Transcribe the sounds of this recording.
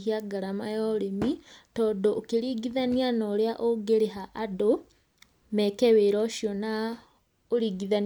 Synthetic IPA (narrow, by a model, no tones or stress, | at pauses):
hiaɡaɾamajɔɾemitɔːdoʔːkeɾiɡiðanianoɾeaʔoɡeɾeɦaʔːdo | mɛkɛweɾɔʃjɔna | oɾiːɡiðan